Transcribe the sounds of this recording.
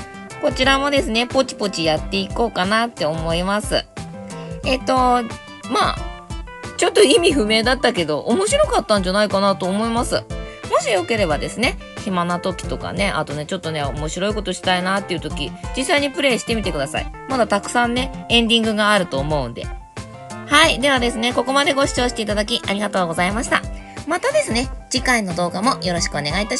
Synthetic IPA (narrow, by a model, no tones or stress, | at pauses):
ko̞t͡ɕiɾamo̞d̪e̞sɨne̞po̞t͡ɕi̥po̞t͡ɕijat̪ːe̞iko̞ːkanat̪ːe̞omo̞imasɨ̰ | e̞t̪ːo̞ | maː | t͡ɕo̞t̪ːo̞imʲiɸɯ̟me̞ːd̪at̪ːake̞d̪o̞ʔomo̞ɕiɾo̞kat̪ːãɲ̟d͡ʑanaikanat̪o̞ːmo̞imasɨ̰mo̞ɕijo̞ke̞ɾe̞bad̪e̞sɨne̞ | hemanat̪o̞kʲi̥t̪o̞ka̰ne̞ʔa̰t̪o̞ne̞t͡ɕo̞t̪ːo̞ne̞o̞̰mo̞ɕiɾo̞iko̞t̪o̞ɕi̥t̪ainat̪ːeiɯ̟t̪o̞kʲid͡ʑisːaiɲ̟ipɯ̟ɾe̞ːɕi̥t̪e̞mʲit̪e̞kɯ̟d̪asa̰ḭmad̪at̪akɯ̟̥sãnːe̞ẽ̞nd̪ʲĩŋɡɯ̟ɡaːɾɯ̟t̪o̞ːmo̞ɯ̟̃nd̪e̞̰ | haid̪e̞βad̪e̞sɨne̞ko̞ko̞mad̪e̞ɡo̞ɕi̥t͡ɕo̞ːɕi̥t̪e̞it̪ad̪akʲiʔaɾʲiɡat̪o̞ːɡo̞zaimaɕi̥t̪a̰ | mat̪ad̪e̞sɨne̞d͡ʑikaino̞d̪o̞ːɡamo̞jo̞ɾo̞ɕi̥kɯ̟o̞ne̞ɡait̪aɕi